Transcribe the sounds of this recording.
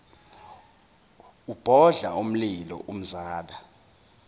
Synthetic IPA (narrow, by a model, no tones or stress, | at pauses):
ub̥ʱɔɮaum̩lilɔ̰ʔum̩zaːɗa